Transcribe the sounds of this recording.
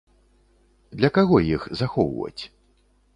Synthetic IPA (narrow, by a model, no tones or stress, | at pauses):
d̪lʲɐkaɣɔjixzaxɔwvɐ̰t͡sʲ